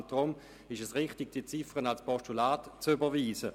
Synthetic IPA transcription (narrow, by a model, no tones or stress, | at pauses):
nt̚d̥ʁʊm | ɪʃɛsʁɪχtɪɡ̥̚d̥iət͡sɪfʁənalspɔstulaːtt͡sybɐʋiːsə